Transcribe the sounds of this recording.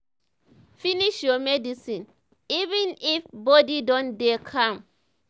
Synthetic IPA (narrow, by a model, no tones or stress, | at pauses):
finiʃjɔmɛdisĩn | ivĩnifbɔdidɔ̃ndekʰãm